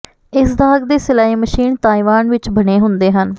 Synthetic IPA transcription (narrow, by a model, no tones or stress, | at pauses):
ɪsd̪aːɡd̪eːsɪlaːiːməʃiːnt̪aːiʋaːnʋɪt͡ʃbəɽeːɦʊnd̪eːɦən